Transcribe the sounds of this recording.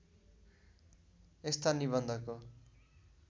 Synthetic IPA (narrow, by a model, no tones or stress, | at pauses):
est̪anibʌnd̪ʱʌko